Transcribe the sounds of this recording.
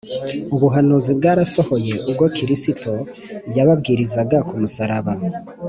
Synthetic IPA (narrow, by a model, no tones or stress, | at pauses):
uβuɦanuzibɡaːɾaso̞ho̞je̞ʔub̚ɡokiɾisito̞ | jaβabɡiːɾizaɡakumusaɾaβa